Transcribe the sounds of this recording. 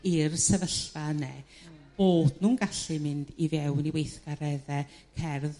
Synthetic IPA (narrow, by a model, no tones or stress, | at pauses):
irsɛvəɬvanɛ | b̥oːd̥nuːnɡaɬɨmɪndivɛwniwejθɡ̥aɾɛðɛ | kʰɛrð